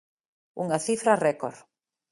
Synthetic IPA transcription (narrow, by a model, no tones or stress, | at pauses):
uŋaθifɾarɛko̰ɾ